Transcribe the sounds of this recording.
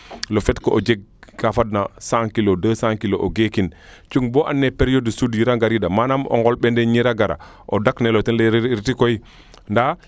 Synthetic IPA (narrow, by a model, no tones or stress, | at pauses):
lofɛtkoʔod͡ʒeɡ̚kafadnasaŋkilodəːsãŋkiloʔoɡekin | t͡ʃuŋboʔanːepeɾijodəsudjiɾaɡaɾidamanamo̰ŋɡolɓendeɲiɾaɡaɾa̰ | ʔodaknelotinlɾitikoi | nda